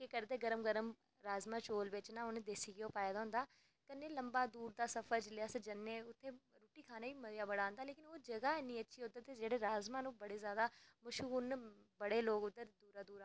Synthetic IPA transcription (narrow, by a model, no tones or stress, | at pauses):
kɪkəɾd̪eːɡəɾəmɡəɾəm | ɾaːzmãːt͡ʃoːlʋɪt͡ʃnãːʊnẽːd̪eːsiːɡɪoːpaːjad̪aːɦʊ̃nd̪aː | kənːeːləmbaːd̪uːɾd̪aːsəpʰəɾt͡ʃlɪaːsd͡ʒənːeːʊt̪ʰːeːɾuːʈiːkʰaːnaːiːməɾjaːbəɽãːnd̪aːleːkɪnoːd͡ʒəɡaːeniːətːʃʰiːoːd̪aːt̪eːd͡ʒeːɽeːɾaːzmãːnũːbəɽeːzjaːd̪aːmʊʃunbəɽeːloːɡʊd̪ːəɾd̪uːɾaːd̪uːɾa